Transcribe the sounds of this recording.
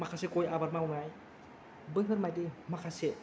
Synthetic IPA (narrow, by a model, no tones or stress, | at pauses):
makʰasekɔjabaɾmawnaj | bɯɯɾmajdimakʰase